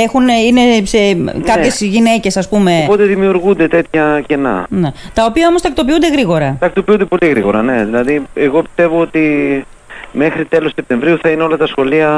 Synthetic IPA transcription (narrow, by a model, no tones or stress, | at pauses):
e̞xunine̞sekɐpçezʝine̞ce̞sɐspume̞opot̪eðimiuɾɣund̪e̞t̪e̞t̪çɐce̞nɐ̰net̪ɐo̞piɐomo̞st̪ɐkt̪o̞piund̪e̞ɣɾiɣo̞ɾɐt̪ɐk̚t̪o̞piund̪epo̞liɣɾḭɣo̞ɾɐ̰ne̞ðilɐðieɣo̞pi̥st̪e̞vo̞ot̪i | me̞xɾit̪e̞lossep̚t̪e̞ɱvɾiuθɐineo̞lɐt̪ɐsxo̞liɐ